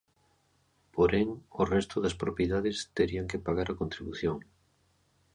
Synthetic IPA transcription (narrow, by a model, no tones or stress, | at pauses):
poɾɛŋorɛst̪ʊðɐspɾopjeðaðɪst̪eɾiaŋkɪpaɣaɾɐkont̪ɾiβuθjoŋ